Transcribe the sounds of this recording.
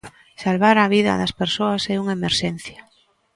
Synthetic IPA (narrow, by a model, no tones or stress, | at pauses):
salβaɾaβ̞iðɐ̰ðɐspeɾsoasɛuŋaemeɾʃɛn̟θja